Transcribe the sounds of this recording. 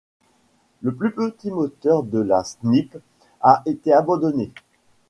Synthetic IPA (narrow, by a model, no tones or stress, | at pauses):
ləplypət̪imɔt̪œʁd̪əlasnip | aʔet̪eabɑ̃d̪ɔne